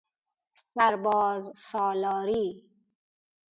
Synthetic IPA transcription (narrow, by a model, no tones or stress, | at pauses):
saɾbɔːzsɔːlɔːɾiː